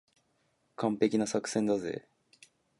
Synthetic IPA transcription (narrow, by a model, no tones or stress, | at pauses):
kʰãmpe̞kʲinasakɯ̟̥sẽ̞nd̪azḛ